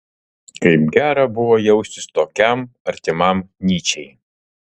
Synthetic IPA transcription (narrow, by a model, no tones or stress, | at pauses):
kɐɪpɡʲæːɾɐbʊʋoːjɛʊsʲt̪ʲɪst̪oːkʲɛmɐɾʲt̪ʲɪmɐˑmnʲiːt͡ʃʲɛɪ